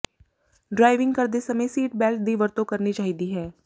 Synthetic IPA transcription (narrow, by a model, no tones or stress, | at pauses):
ɖɾaːɪʋɪ̃ŋɡkɐɾd̪esɐmesiːʈbɛːlʈ̚d̪ʱiʋɐɾt̪okɐɾnit͡ʃaːɦid̪iɦɛː